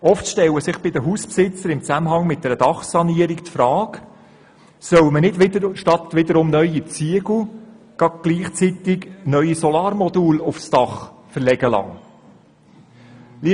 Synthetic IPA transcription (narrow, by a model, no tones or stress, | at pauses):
ɔftʃtɛwəsɪχb̥ɪd̥̪əɦuːspsɪt͡səɾɪmt͡sæməɦɑŋmɪt̚dɛɾəd̥ɑχsɑniəɾiktfɾɑːk | sœwmənɪdɪʃtɑt̪ʋɪd̪əɾʊmnœʏit͡siəɡl̩ | ɡ̥ɑɡ̚ɡ̥liːχt͡sit̪ɪknœʏisɔlɑːɾmɔd̪uːlʊfsd̥ɑχfəɾlɛɡəlɑ̰ŋ | li